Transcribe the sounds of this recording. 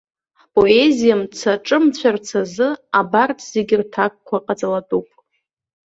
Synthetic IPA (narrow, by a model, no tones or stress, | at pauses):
pʼo̞e̞zijamt͡sʰaʈ͡ʂʼɨmt͡ɕʷʰart͡sʰazɨabartʰz̥e̞ɡʲɪrtʰak̚kʷaqʼat͡sʼalatʼupʼ